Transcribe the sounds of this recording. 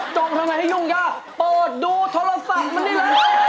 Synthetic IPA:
t͡ɕo˧nt̪ʰa˧ŋna˧jha˥˩ju˧˩ŋkaː˧˥˩ | pɤː˨˩t̪̚duː˧t̪ʰo˧˥la˧fa˨˩k̚ma˧nːiː˥˩lə˧˥˩

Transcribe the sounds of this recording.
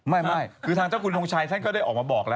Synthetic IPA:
ma˥˩jma˥˩jkʰɯː˧t̪ʰaː˧t͡ɕaː˥˩kʰu˧nlo˧ŋt͡ɕʰaː˧jt̪ʰa˥˩nkɔː˥˩daː˥˩jʔɔː˨˩k̚maː˧bɔː˨˩k̚lɛː˦˥

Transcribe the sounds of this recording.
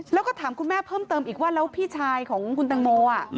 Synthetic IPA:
lɛ˦˥wkɔː˥˩t̪ʰaː˩˦mkʰu˧nmɛː˥˩pʰɤː˥˩mt̪ɤː˧mʔiː˨˩k̚waː˥˩la˦˥wpʰiː˥˩t͡ɕʰaː˧jkʰɔː˩˦ŋkʰu˧nt̪a˧ŋmoː˧ʔa˨˩

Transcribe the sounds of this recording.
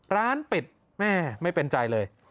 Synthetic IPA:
ɾaː˦˥npi˨˩t̪̚ | mɛː˥˩ma˥˩jpe˧nt͡ɕa˧jlɤː˧j

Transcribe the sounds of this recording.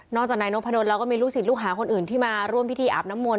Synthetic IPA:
nɔː˥˩kt͡ɕaː˨˩naː˧no˦˥pʰːa˧no˧nlɛː˦˥wkɔː˥˩miː˧ɾuː˥˩si˨˩t̪̚luː˥˩k̚ɦaː˩˦kʰo˧nʔɯː˨˩nt̪ʰiː˥˩maː˧ɾu˥˩əmpʰi˦˥t̪ʰiː˧ʔa̰ː˨˩p̚na˦˥mːu˧

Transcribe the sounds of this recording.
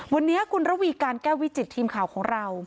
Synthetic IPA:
wa˧nːi˦˥ɐkʰu˧nɾa˦˥wiː˧kaː˧nkɛː˥˩wi˦˥t͡ɕi˨˩t̪ʰːiː˧mkʰaː˨˩wkʰɔː˩˦ŋɾa˧w

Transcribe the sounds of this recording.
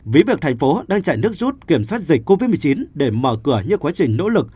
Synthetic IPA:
vi˨˦vi˨ək̚t̪ʰŋ̟fo˨˦ɗaː˧ŋt͡ɕa̰ː˧˨jnɨ˦˥ək̚zu˦˥t̚ki˧˩əmswaː˦˥t̚zï˨˩k̟̚ʲko˧vi˦˥t̚mɨ˨˩ə˩t͡ɕi˨˦nɗe˧˩məː˧˩kɨ˧˩əɲɨ˧kwaː˨˦t͡ɕï˨˩ŋ̟no̰˧˥lɨ˨˩k̚

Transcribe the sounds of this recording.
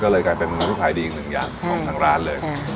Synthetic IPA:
kɔː˥˩lɤː˧jkaː˧jpe˧nmɨ˧˦tʰi˦˥˩kʰaː˨˩jdiː˧t̪ʰɯ˩˦ŋja̰ː˧˩ŋɔ˧˩˦t̪ʰaː˧˩ɾa̰ː˦˥nlɤː˧j

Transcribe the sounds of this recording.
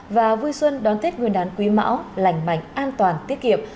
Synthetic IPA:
vaː˨˩vu˧jswə˧nɗɔ˨˦nt̪ʰe˦˥t̚ŋɨ˨˩ənɗaː˨˦nkwi˨˦ma̰ː˧˥wla˧˨jŋ̟ma̰˧˨jŋ̟ʔaː˧nt̪waː˨˩nt̪i˦˥ət̚ki˧˨əm

